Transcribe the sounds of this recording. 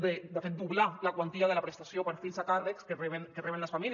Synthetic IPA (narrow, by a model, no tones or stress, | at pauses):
ðed̪aθed̪uβlalakwant̪iaðelapɾest̪asjopaɾfilsakarekskereβenkereenlasfamil